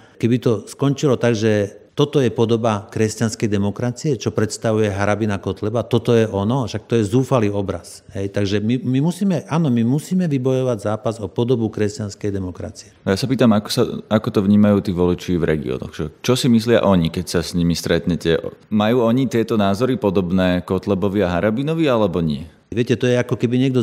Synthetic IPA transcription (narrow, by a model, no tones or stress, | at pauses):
kɛbit̪ɔskɔnt͡ʃilɔt̪aɡʒɛt̪ɔt̪ɔjɛpɔd̪ɔbakɾɛscanskɛjd̪ɛmɔkɾat͡siɛt͡ʃɔpɾɛt̪st̪aʋujɛɦaɾabinakɔt̪lɛbat̪ɔt̪ɔjɛʔɔnɔʃak̚t̪ɔjɛzuːfaliːɔbɾa̰s | ɦɛjt̪aɡʒɛmimimusiːmɛʔaːnɔmimusiːmɛʋibɔjɔʋaɟzaːpazɔpɔd̪ɔbukɾɛscanskɛjd̪ɛmɔkɾa̰t͡siɛajasapiːt̪amakɔ̥saakɔt̪ɔʋɲiːmajuːt̪iːʋɔlit͡ʃiːvɾɛ̰ɡḭɔ̰nɔ̰ɣʒɛt͡ʃɔsimislɪa̰ʔɔɲikɛcsasɲimist̪ɾɛt̪ɲɛcɛʔmajuːɔɲit̪ɪɛt̪ɔnaːzɔɾipɔd̪ɔbnɛːkɔt̪lɛbɔʋiaɦaɾabinɔʋialɛbɔɲɪɛ | ʋɪɛcɛt̪ɔjɛakɔkɛbiɲɪɛɡ̚d̪ɔ